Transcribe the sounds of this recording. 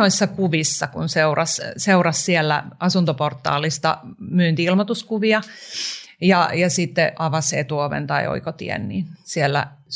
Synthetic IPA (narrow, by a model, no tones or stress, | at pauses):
oisːɑkuʋisːɑkṵnseurɑsseurɑssielːæ̰ʔɑsunt̪oport̪ːˑɑ̰ːlist̪ɑ̰myːnt̪iilmot̪uskuʋiɑ | jɑjɑsit̪ːeʔɑʋɑsḛt̪uoʋḛnt̪ɑio̰ikot̪ḭḛnnḭnsielːæ̰